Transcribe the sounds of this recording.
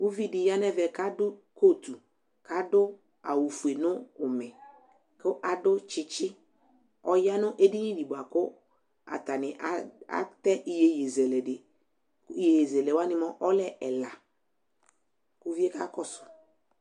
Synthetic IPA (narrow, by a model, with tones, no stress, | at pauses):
u˦vi˦dɪ˨ja˦nɛ˦vɛ˨ka˦dʊ˦ko˦˨t̪u˨ | ka˨˦dʊ˦ | a˨wu˨fu˨e˨nʊ˦ʊ˨mɛ˨ | kʊ˦ʔa˨dʊ˦t͡ʃɪ˦t͡ʃɪ˦ | ɔ˦ja˦nʊ˦ʔe˦di˦nĩ˦di˨bʊ˨a˨kʊ˦ | a̰˨ta˨nɪ˨ʔa˦a̰˦tɛ˦ʔi˨je˦je˨zɛ˨lɛ˨dɪ˨˦ | i˦e˨je˨zɛ˨lɛ˨wa˦nɪ˦mɔ˦ʔɔ˦lɛ˦ɛ˨la˨ | kʊ˦vi˦e˦ka̰˦kɔ˦sʊ̥˨